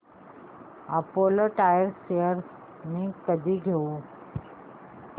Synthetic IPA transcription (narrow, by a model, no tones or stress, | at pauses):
apoːləʈaːjəɾsejəɾ | mĩkəd̪ʱiɡʱeu